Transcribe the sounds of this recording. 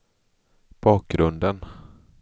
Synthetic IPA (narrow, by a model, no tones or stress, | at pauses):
b̥ɑːk̚ɡɾɵnd̪ən